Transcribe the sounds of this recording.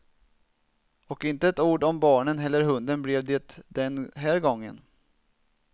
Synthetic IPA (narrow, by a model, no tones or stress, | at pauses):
ɔkɪnt̪əɛt̪uːɖɔmbɑːɳənɦɛlːəɾɦɵnd̪ənblɛvd̪eːt̪d̪ɛnɦæːɾɡɔŋːə̰n